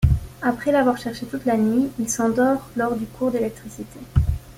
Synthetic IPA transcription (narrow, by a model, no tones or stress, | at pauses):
apχɛlavwaʁʃɛʁʃet̪ut̪lanɥiilsɑ̃d̪ɔʁlɔʁd̪ykʰuʁd̪elɛk̚t̪χisit̪e